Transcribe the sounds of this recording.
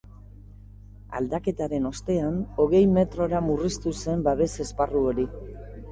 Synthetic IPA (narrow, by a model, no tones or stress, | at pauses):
a̰ld̪ake̞t̪aɾe̞no̞st̪e̞ano̞ɣe̞jme̞t̪ɾo̞ɾamurist̪use̞mbaβe̞se̞sparuo̞ɾi